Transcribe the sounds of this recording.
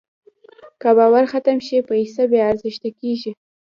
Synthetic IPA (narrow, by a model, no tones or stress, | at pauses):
kabawaɾxat̪amʃipəisabeaɾzɪʃt̪akeʒi